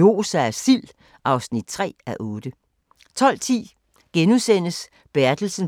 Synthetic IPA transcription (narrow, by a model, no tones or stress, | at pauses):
o̝ːsææsil̰ | ʔɑ̈ʊsnid̥̚t͡sʰʁɛ̰ːæʔɔːd̥ə | t͡sʰɒ̽l̰t͡sʰḭː | ɡ̥enusen̰əs | b̥æɐd̥l̩sən